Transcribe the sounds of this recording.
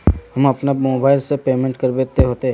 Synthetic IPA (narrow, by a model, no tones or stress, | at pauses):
hɐmɐpnamoːbaːɪlsepeːmẽɳʈkəɾbeːt̪eɦoːt̪eɦ